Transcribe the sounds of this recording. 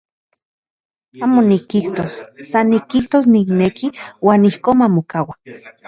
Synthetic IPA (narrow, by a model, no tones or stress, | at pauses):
aːmonikːiht̪osːanːikːiht̪os̬niknekiwaːnihkoːnmamokawa